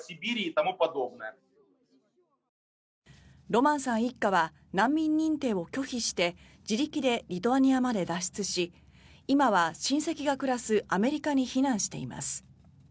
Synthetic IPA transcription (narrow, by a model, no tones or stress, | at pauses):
sibʲiɾʲiːt̪amɯpad̪omne | ɾo̞mãɰ̃sãɰ̃ikːaβa | nãmːʲĩɲ̟ːĩnt̪e̞ːo̞kʲo̞çiɕi̥t̪e̞ | d͡ʑiɾʲikʲid̪e̞ɾʲit̪o̞aɲ̟iamad̪e̞d̪aɕi̥t͡sɨɕiː | maβaɕĩɰ̃se̞kʲiɡakɯ̟ɾasɨʔame̞ɾʲikaɲ̟içinãɰ̃ɕi̥t̪e̞̰ima̰sɨ̥